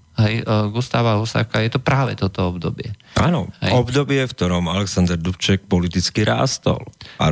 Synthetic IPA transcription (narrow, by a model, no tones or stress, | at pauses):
ɦɛjɡust̪aːʋaɦusa̰ːkajɛt̪ɔpɾaːʋɛt̪ɔt̪ɔɔbd̪ɔbɪɛʔaːnɔ̰ɦɛ̰ɔbd̪ɔbɪɛft̪ɔɾɔmalɛksand̪ɛɾd̪upt͡ʃɛk̚pɔlit̪it͡skiɾa̰ːst̪ɔ̰la